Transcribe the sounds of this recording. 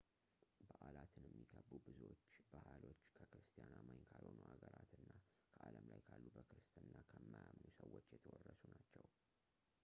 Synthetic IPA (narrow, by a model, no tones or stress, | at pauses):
bəʔalat̪ʰɨnjɛmːiɡʰəbːubɨzo̞t͡ʃːbahalo̞t͡ʃːkʰəkɾɨst̪ʰijanamajnkʰalho̞nuhaɡəɾat̪ɨnːa | kʰəʔaləmlajkʰalːubəkɾɨst̪ɨnːakʰəmːajamnusəwo̞t͡ʃːjɛt̪ʰəwɔrːəsunat͡ʃːɛw